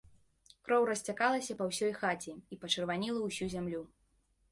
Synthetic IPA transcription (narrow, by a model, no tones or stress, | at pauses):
kɾɔwɾɐsʲt͡sʲakalˠɐsʲɐpɐwsʲɔjxat͡sʲiipɐt͡ʂɨrvanʲilˠɐwsʲuzʲamlʲu